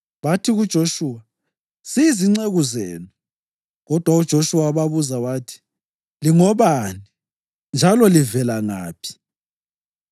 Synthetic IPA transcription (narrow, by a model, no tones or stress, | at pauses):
βatʰiɣud̥ʒ̥ʱoʃuːwa | siiziŋ͡ǀeɣuzeːnu | ɣɔd̥ʱwaud̥ʒ̥ʱoʃuwaβaβuzawaːtʰi̥ | liŋɔβani | nd͡ʒʱalɔlivɛlaŋa̰ːpʰi̥